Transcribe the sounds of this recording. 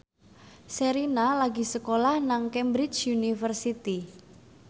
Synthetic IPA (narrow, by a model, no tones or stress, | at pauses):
seɾinalaɡi̤səkolahnaŋkɛmbɾit͡ʃunifərsit̪i